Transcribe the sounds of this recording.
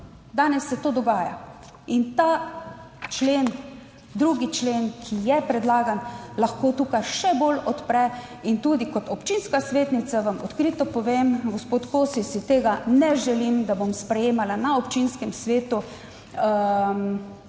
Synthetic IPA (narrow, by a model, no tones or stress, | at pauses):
d̪aːnɛsːɛt̪oːd̪ɔɡaːja̰ | int̪aː | t͡ʃleːn | d̪ɾuːɡit͡ʃleːnkʰijɛpɾɛd̪laːɡanlaxkoːt̪uːkajʃɛbolɔt̪pɾɛ | int̪uːd̪ikɔt̪ɔpt͡ʃinskasʋeːt̪nit̪saʋamɔt̪kɾit̪ɔpɔʋeːmɡospoːt̪koːsisit̪eːɡanɛʒɛlimd̪abomspɾɛjeːmalanaopt͡ʃinskɛmsʋeːt̪u | m